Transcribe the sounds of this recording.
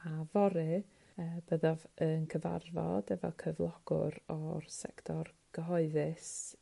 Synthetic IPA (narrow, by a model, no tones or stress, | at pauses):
avɔɾɨ | əːb̥əðɔvənkʰəva̰rvɔ̰dɛvɔlˠkʰəvlˠɔɡ̥ʊ̰ɾɔrsɛ̰ktʰɔr | ɡ̥əɦɔɨðɨs